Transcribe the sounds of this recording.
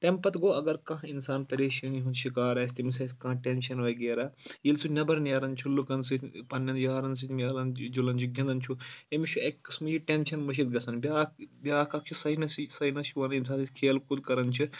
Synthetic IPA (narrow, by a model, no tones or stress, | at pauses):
t̪ɐmpɐt̪ɡoːɐɡɐɾkãɦinsaːnt̪ɐɾeːʃiniɦunʃikaːɾɐːsʲt̪imisɐskãːʈenʃɐnʋɐɡeːɾaːjilsʰunɐbɐɾnɐːɾɐnt͡ʃʰulukɐnsɨpɐnːɐnd̪jaːɾɐns̬ɨt̪mjɐːlɐnd͡ʒulɐnt͡ʃʰuɡʲɐ̃nd̪ɐnt͡ʃʰuemit͡ʃʰuekːɨsmud͡ʒiʈenʃɐnmɐʃ̬it̪̚ɡɐsʰɐnbʲaːbʲaːkʰɐk̚t͡ʃʰusɐinɐsisɐinɐʃiʋɐnins̬aːnsit̪ʲkʰeːlkud̪kɐɾɐnt͡ʃʰi